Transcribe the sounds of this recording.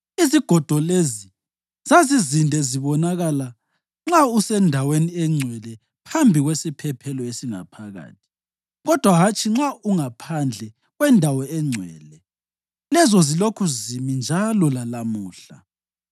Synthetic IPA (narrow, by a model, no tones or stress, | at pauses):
iziɡ̥ʱɔd̥ʱɔlezi | z̥azizindʱɛziβɔnaɣala | ŋ͡ǁausɛndʱaweniɛŋ͡ǀʱwɛlɛ | pʰambʱiɣwesipʰɛpʰɛlɔesiŋa̰pʰaɣa̰ːtʰi̥ | ɣɔd̥ʱwaɦat͡ʃʼʰiŋ͡ǁauŋapʰand͡ɮʱɛ | ɣwɛndʱawɔɛŋ͡ǀʱwɛ̰ːlɛ | lɛzɔzilokʰuzimind͡ʒʱalɔlalamuːɬa